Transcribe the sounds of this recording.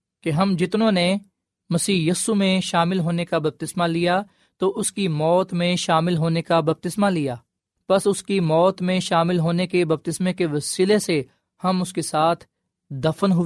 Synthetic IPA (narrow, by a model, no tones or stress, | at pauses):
keɦɐmd͡ʒɪt̪nõne | mɐsiːjɐːsumẽʃaːmɪlɦoːnekabɐb̚t̪ɪsmalija | t̪oʔʊskimɔːt̪mẽʃaːmɪlɦoːnekabɐb̚t̪ɪsmalijaː | pɐsʊskimɔːt̪mẽʃaːmɪlɦoːnekebɐb̚t̪ɪsmẽkeʋɐsiːlese | hɐmʊskesaːt̪ʰ | d̪ɐfənɦʊ